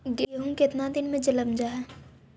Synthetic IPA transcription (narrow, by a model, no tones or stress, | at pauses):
ɡeɦũkɪt̪nad̪ɪnmẽd͡ʒɪləmd͡ʒaɦɛː